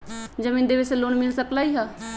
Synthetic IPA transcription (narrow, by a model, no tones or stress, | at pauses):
d͡ʒəmĩːnd̪eːʋesloːnmɪlsəklaːiɦaː